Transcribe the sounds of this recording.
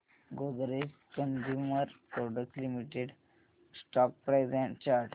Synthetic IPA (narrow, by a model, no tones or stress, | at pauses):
ɡod̪ɾes | kənd͡ʑuməɾpɾɔɖək̚slimiʈeɖ | sʈɔk̚pɾajzɛ̃t͡ɕaɾʈ